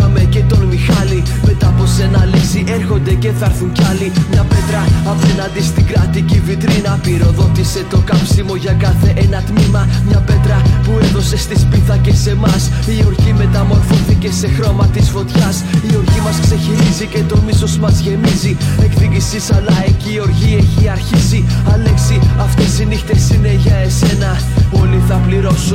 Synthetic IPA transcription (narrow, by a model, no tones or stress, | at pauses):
ɐme̞ce̞t̪o̞nmixɐli | me̞t̪ɐpo̞se̞nɐlisiʔe̞ɾxo̞nd̪e̞ce̞θɐɾθuɲcɐlimɲɐpe̞t̪ɾɐɐpe̞nɐnd̪ist̪iɡɾɐt̪icivit̪ɾinɐpiɾo̞ðo̞t̪ise̞t̪o̞kɐpsimo̞ʝɐkɐθe̞ʔenɐt̪mimɐmɲɐpe̞t̪ɾɐpueðo̞se̞st̪ispiθɐce̞se̞mɐs | io̞ɾʝime̞t̪ɐmo̞ɾfoθice̞se̞xɾo̞mɐt̪izfo̞t̪çɐsio̞ɾʝimɐskse̞çiɾizice̞t̪o̞miso̞zmɐzʝe̞mizie̞kðiɡisisɐlɐe̞ciːo̞ɾʝie̞çiɐɾçisiɐle̞ksiɐft̪esinixt̪e̞sine̞ʝɐe̞se̞nɐ | o̞liθɐpliɾo̞su